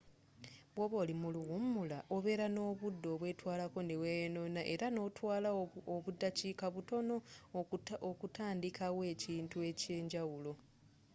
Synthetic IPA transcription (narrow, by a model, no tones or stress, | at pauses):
βwoβo̞ːlimuluɣummːulaʔo̞βe̞ːɾano̞ːβudːo̞ːβwe̞ːtwaːlako̞newejeno̞naʔe̞ɾano̞ːtwaːlaoβudːacikaβuto̞no̞ | okutaːndikʰawe̞ːciːntue̞ce̞ːɲɟawulo̞